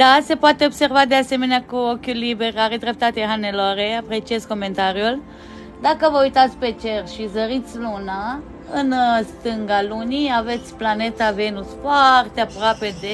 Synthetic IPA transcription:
d̪ase̞poat̪e̞obse̞rvad̪ease̞me̞neakuo̞kʲulːibe̞rʲaɾed̪ɾe̞p̚t̪at̪eɦanelaɾeapɾe̞t͡ʃiezko̞me̞nt̪aɾjul | d̪akəvəujt̪at̪sʲpe̞t͡ʃe̞rʃizəɾit̪sʲluna | ɨnst̪ɨŋɡaluniave̞t̪sʲplane̞t̪ave̞nusfoart̪eapɾoape̞d̪e

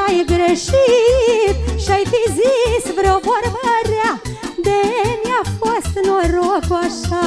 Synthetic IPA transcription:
ajɡɾeʃit̪̚ʃiajfizisvɾeovoɾbəɾad̪emjafost̪noɾokuaʃa

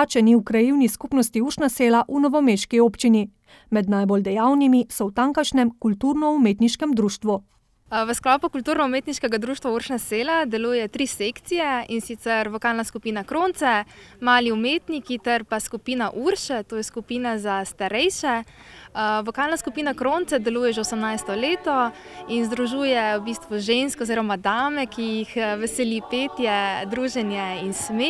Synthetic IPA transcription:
at͡ʃɛniukɾajiwniskuːpnɔst̪iuɾʃnaseːlaʔunɔʋɔmeːʃkioːpt͡ʃini | mɛd̪najbold̪ɛjaːwnimisɔwt̪aŋkaʃnɛmkult̪uɾnɔumeːt̪niʃkɛmd̪ɾuːʃt̪ʋu | ʋəsklɔːpukult̪uːɾnɔumeːt̪niʃkɛɡad̪ɾuːʃt̪ʋauɾʃnaseːlad̪ɛluːjɛt̪ɾiːsekt̪sijɛinsit̪sɛɾlɔkaːlnaskupiːnakɾoːnt̪sɛmaːliumeːt̪nikit̪ɛɾpaskupiːnaʔuɾʃɛt̪oːjɛskupiːnazast̪aɾɛjʃɛ | ʋɔkaːlnaskupiːnakɾoːnt̪sɛd̪ɛluːjɛʒɛosɛmnajst̪ɔleːt̪ɔ | inzd̪ɾuʒuːjɛwbist̪ʋuʒenskɔoziːɾɔmad̪aːmɛkijixʋɛsɛlipeːt̪jɛd̪ɾuːʒɛnjɛinsme

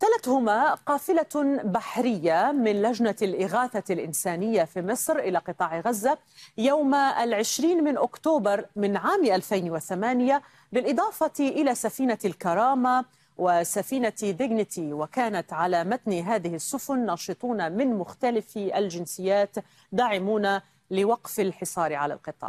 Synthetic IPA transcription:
t̪alat̪hʊmaqɑːfɪlabaħɾɪjːamɪnlad͡ʒnalʔɪɣaːθalʔɪnsaːnɪjːafiːmɨsˤɾʔɪlaqɨt̪ˤɑːʕɣazːa | jawmalʕɪʃɾiːnmɪnʔʊkt̪oːbɑɾˤmɪnʕaːmʔalfajnwɪθamaːnɪja | bɪlʔɨd̪ˤɑːfɑt̪ʔɪlasafiːnalkɑɾˤɑːma | wɪsafiːnad̪ɪɡnɪt̪iwakaːnat̪ʕalaːmat̪niɦaːðɪhɪsːʊfʊnːɑːʃɨt̪ˤuːnamɪnmʊxt̪alɪfald͡ʒɪnsɪjːaːt̪ | d̪aːʕɪmuːna | lɪwɑqfalħɪsˤɑːɾʕala̰lqɨt̪ˤɑ̰ːʕ

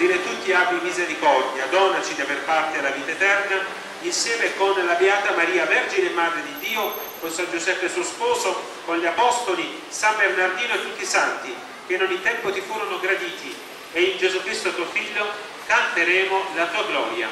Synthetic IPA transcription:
d̪iɾet̪ut̪ːiabimizeɾikɔrd̪jad̪ɔːnat͡ʃid̪iaverpart̪elaviːt̪aet̪ɛrna | insjɛːmekonlabeaːt̪amaɾiːavɛrd͡ʒinemːaːd̪ɾed̪id̪ːiːokonsand͡ʒuzɛpːesuospɔːzo | konʎiapɔst̪oli | sambernard̪iːnoet̪ːut̪ːisant̪i | k̟enːonit̪ɛmpot̪ifuːɾonoɡɾad̪iːt̪i | eind͡ʒezukɾist̪ot̪uofiʎːo | kant̪eɾɛːmolat̪uːaɡlɔːɾja̰

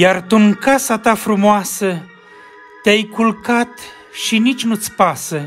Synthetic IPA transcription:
jart̪uŋkasat̪afɾumoasə | t̪eajkulkat̪ | ʃinit͡ʃʲnut̪sʲpasə

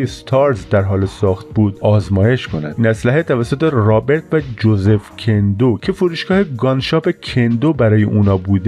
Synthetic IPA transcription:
jest̪ʰɒːɾzd̪æɾɦɒːlesɒːxt̪̚buːd̪ɒːzmɒːje̞ʃkʰonæ̰inæslæɦet̪ʰævæsːot̪ʰerɒːbe̞ɾt̪ʰvæd͡ʒoze̞fcʲʰend̪ocʰe̞fuɾuːʃɡ̥ɒːheɡɒnʃɒːpecʰend̪obæɾɒːjḛʔuːnɒːbuːd̪

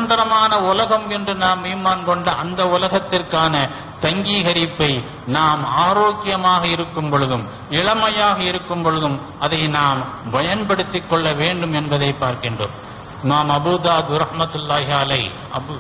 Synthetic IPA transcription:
nd̪ɐɾɐmaːnɐʊlɐɣɐmɛndrɯnaːmiːmaːnkɔɳɖɐʔɐnd̪ɐʊlɐɣɐt̪ːɪrkaːnɐ | t̪ɐŋɡiːɣɐɾɪpːɐɪ | naːmaːɾoːkːɪjɐmaːɣɐɪɾɯkːɯmpɔɻɯðɯm | ɪɭɐmɐjaːɣɐɪɾɯkːɯmpɔɻɯðɯm | ʔɐðɐɪnaːmbɐjɐnpɐɽɯt̪ːɪkːɔɭːɐʋeːɳɖɯmɛnbɐðɐɪpːaːɾkɪndro̰ːm | ɪmaːmɐbuːd̪aːd̪ɾɐhmɐt̪ɯlːaːɣɐlɐɪ | ɐ

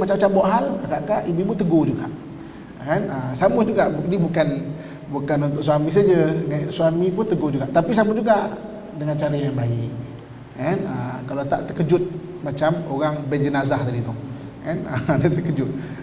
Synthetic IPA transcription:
mat͡ʃamat͡ʃambawaʔɦalaɡaʔkaʔibibʊt̪əɡod͡ʒuɡa̰ʔ | kanəsamʊhd͡ʒuɡaʔbuk̚dibukan | bukanunt̪ʊʔsuamis̬ad͡ʒəŋaʔsuamipʊnt̪əɡod͡ʒuɡaʔt̪apis̬amʊtd͡ʒuɡaʔ | dəŋant͡ʃaɾəjaŋbaiʔ | kanəkalawt̪a̰ʔt̪əkəd͡ʒʊt̪̚ | mat͡ʃamoɾaŋbɛnd͡ʒənazaht̪adit̪ʊh | kanədət̪əkəd͡ʒʊt̪̚

